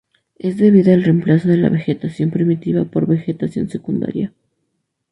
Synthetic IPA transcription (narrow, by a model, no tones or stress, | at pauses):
e̞zd̪e̞βiðaelre̞mplaso̞ðe̞la̰βe̞xe̞t̪asjo̞mpɾimit̪iβapo̞ɾβe̞xe̞t̪asjo̞̰nse̞kund̪a̰ɾja